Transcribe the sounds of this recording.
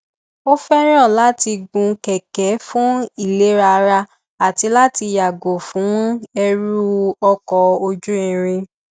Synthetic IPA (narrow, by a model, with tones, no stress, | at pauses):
o˦fɛ˦ɾ̃ɔ̃˦˨la˨˦ti˧ɡũ˧kɛ˨kɛ˨˦fũ˦i˦˨le˨˦ɾa˧ɾa˧ | a˨ti˧˦la˦ti˧ja˨ɡo˨fũ˨˦ɛ˧ɾu˦ɔ˧kɔ˨o˧d͡ʒũ˦ĩ˨ɾ̃ĩ˧